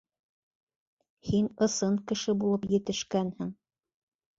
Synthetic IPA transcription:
hinɤ̆sɤŋkɘ̆ʃɘbulˠɤpjɘ̆t̪ɘ̆ʃkænhɘŋ

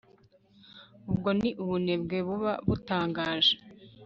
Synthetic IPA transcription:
ubɡo̞niʔuβunebɡe̞βuβa̰βutaːŋɡaːʒe̥

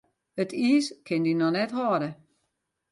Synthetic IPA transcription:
ətʰiːskʰɪndinɔnɛthɔdə

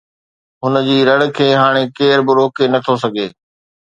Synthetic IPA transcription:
ɦʊnd͡ʑiːɾɐɽ̆kʰeːɦaːɽ̃ekeːɾbɪɾoːkenɐt̪ʰos̬ɐɡʱeː

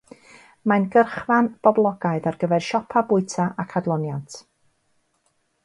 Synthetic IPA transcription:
manɡərχvanb̥ɔblˠɔɡaɨðarɡəvɛrʃɔpʰabʊɨtʰaʔakʰadlˠɔnjantʰ

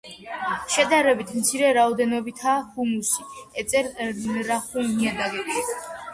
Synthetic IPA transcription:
ʃɛd̪aɾɛbit̪ʰmt̪sʰiɾɛɾaɔd̪ɛnɔbit̪ʰaːhumusiɛt̪sʼɛɾɾaχuniad̪aɡɛbʃi

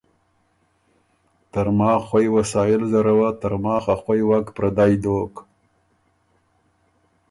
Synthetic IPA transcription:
t̪əɾmɑːxwajwasɑjɪlzaɾawat̪əɾmɑːxaxwajwakpɾad̪ɑjd̪ok

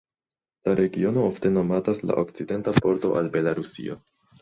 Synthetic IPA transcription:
laɾʔe̞ɡio̞no̞ofte̞no̞matasla̰ʔok̚t͡side̞ntapo̞ɾto̞̰ʔalbe̞laɾusḭo̰

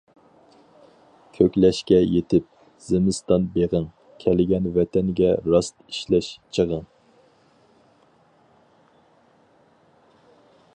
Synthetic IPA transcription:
kʲʰøkʲlɛʃkʲɛjet̪ʰɪp̚ | z̥emɨst̪ɑnbeʁəŋ | kʲʰɛlɪɡʲɛnvɛt̪ʰɛnɡʲɛɾɑst̪iʃlɛʃt͡ʃʰəʁəŋ

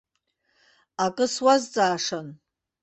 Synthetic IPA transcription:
akʼɨswazt͡sʼaːʂan

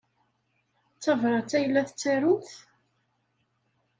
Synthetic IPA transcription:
t͡sːɑvɾˤɑt͡sːæjəlːæθət͡sːæɾunθ

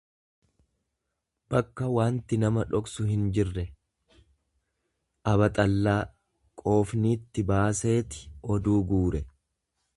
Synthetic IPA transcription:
b̥ɐkːɐwaːnt̪ɪnɐmɐᶑɔksʊhɪnd͡ʒɪrːɛ | ʔɐbɐt̪ʼɐlːaː | kʼo̞ːfniːt̪ːɪbaːse̞ːt̪ɪ̥ʔɔd̪uːɡuːɾɛ

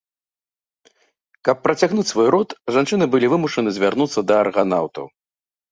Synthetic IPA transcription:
kɐpːɾɐt͡sʲaɣnut͡sʲsvɔjɾɔt̪ʐant͡ʂɨnɨbɨlʲivɨmuʂɐnɨzʲvʲarnut̪sːɐd̪ɐːrɣana̰wt̪ɐ̰w

